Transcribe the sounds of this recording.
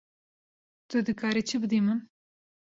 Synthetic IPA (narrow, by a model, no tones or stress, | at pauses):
t̪ɨd̪ɨkʰaːɾet͡ʃʰɨbɨd̪iːmɨn